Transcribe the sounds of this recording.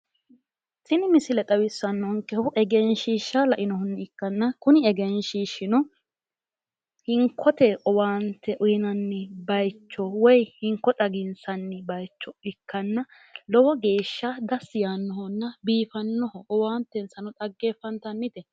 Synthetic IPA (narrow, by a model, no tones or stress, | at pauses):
sɪnɪmɪsɪlɛt̪ʼɐwɪsːɐnːɔŋkːɛhʊʔɛɡɛnʃiːʃːalɐʔɪnɔɦʊnːɪɪkːɐnːɐkʊnɪɛɡɛnʃiːʃɪnɔ | hɪŋkʰːɔt̪ɛʔɔwaːnt̪ːɛʔʊjɪnɐnːɪbɐjt͡ʃːɔwɔjhɪŋkːɔt̪ʼɐɡɪnsɐnːɪbɐjt͡ʃːɔɪkːɐnːɐ | lɔwɐɡe̞ːʃːad̪ɐsɪjaːnːɔhɔnːɐbiːfɐnːɔhɔʔɔwaːnt̪ːɛnsɐnɔt̪ʼɐɡːeːfɐnt̪ɐnːɪt̪ɛ